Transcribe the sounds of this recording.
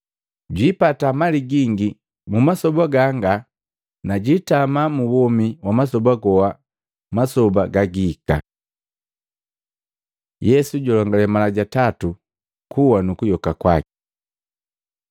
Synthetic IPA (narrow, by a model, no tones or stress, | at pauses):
ɟwipatamaliɡiŋɡi | mumasɔbaɡaŋɡa | naɟitamamuwɔmiwamas̬ɔbaɡɔwa | masɔbaɡaɡika̰ | jɛsuɟɔlɔŋɡalɛmalaɟatatu | kuwanukujɔkakwakɛ̥